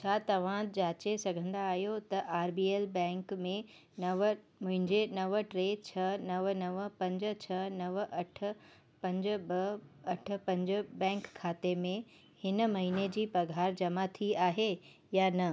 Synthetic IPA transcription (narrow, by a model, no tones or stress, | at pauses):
t͡ɕʰaːt̪ɐʋ̤ãd͡ʑaːt͡ɕesɐɡʱə̃nd̪aːɦijot̪ɐʔaːɾbiːeːlbɛ̃ːŋkmẽ | nɐʋ | mʊ̃ɦɪ̃ɲd͡ʑenɐʋəʈɾeːt͡ɕʰɐnɐʋnɐʋəpɐ̃ɲd͡ʑ̆t͡ɕʰɐnɐʋʔɐʈ̆ʰ | pɐ̃ɲd͡ʑbɐɐʈ̆ʰpɐ̃ɲd͡ʑbɛ̃ːŋkʰːaːt̪emẽ | hɪn̆mɐɦined͡ʑiːpɐɡʱaːɾd͡ʑɐmat̪ʰiaːɦe | janɐ